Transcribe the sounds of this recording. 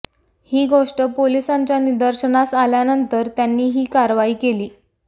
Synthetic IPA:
hiːɡʱoʂʈəpolisaɲt͡ɕjanid̪əɾɕənasaljanənt̪əɾt̪janːiːɦiːkaɾʋaiːkeliː

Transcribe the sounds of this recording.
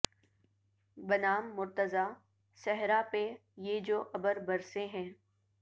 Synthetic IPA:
bɐnaːmːʊɾt̪əzaː | sɛɦɾapejeːd͡ʒoːʔɐbəɾbɐɾsẽɦɛ̃ː

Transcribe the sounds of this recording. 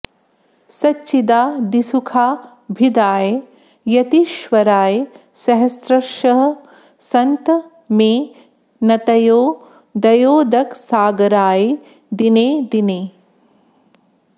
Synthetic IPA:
sɐtːt͡ʃid̪aːd̪isukʰaː | bʱid̪aːje | jɐt̪iːʃʋɐɾaːje | sɐɦɐsɾɐʃɐɦɐ̆ | sɐnt̪ɐ | meː | nɐt̪ɐjoː | d̪ɐjoːd̪ɐksaːɡɐɾaːje | d̪ineːd̪ineː

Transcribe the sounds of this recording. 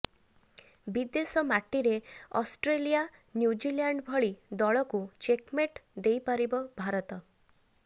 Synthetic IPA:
bid̪esɔmaʈiɾeɔsʈɾelijanjud͡ʒilaɳɖbʱɔɭid̪ɔɭɔkut͡ʃekmeʈd̪ejpaɾibɔbʱaɾɔt̪ɔ

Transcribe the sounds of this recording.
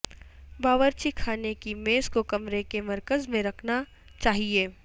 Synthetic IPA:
baːʋəɾt͡ʃikʰaːnekimeːskokɐmɾekemɐɾkəzmẽɾɐkʰna | t͡ʃaːɦieː

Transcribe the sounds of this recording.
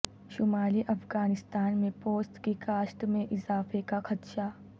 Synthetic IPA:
ʃʊmaːliʔɐfɡaːnɪst̪aːnmẽpoːsʈ̪kikaːsʈ̪mẽʔɪzaːfekaxɐt̪ʃaː

